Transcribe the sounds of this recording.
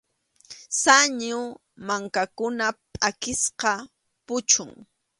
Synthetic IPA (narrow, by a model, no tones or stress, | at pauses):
saɲʊ | maŋkakʊnapʼakɪsqɑ | pʊt͡ʃʊŋ